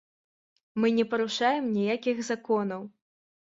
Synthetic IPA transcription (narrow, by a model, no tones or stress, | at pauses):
mɨnʲɛpɐɾuʂajɛmnʲijakʲixzakɔnɐw